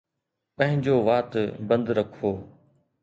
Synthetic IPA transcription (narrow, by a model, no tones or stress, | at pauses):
pɐ̃ɦɪ̃ɲd͡ʑoːʋaːt̪bə̃nd̪ɾɐkʰoː